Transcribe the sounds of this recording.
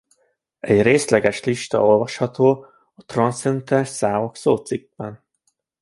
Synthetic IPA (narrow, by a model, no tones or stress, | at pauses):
ɛɟreːslɛɡɛʃliʃt̪ɒ̰o̞lvɒʃhɒt̪oː | ɒt̪rɒnsɛnt̪ɛnʃsaːvoksoːt̪siɡ̚bɛn